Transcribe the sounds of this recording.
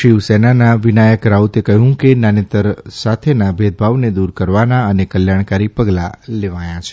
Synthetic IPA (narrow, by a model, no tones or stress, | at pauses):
ʃiʋsenanaʋinajəkɾaut̪ekəɦjũkenanẽt̪əɾsat̪ʰenabʱed̪̚ʱbʱaʋned̪uɾkəɾʋanaənekəljaɽ̃kaɾipəɡlaleʋajãt͡ʃʰe̥